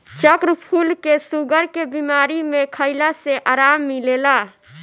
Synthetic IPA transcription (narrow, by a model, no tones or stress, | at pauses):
t͡ʃəkɾpʰulkesuɡəɾkebimaɾimekʰəɪlaseʔaɾamːilela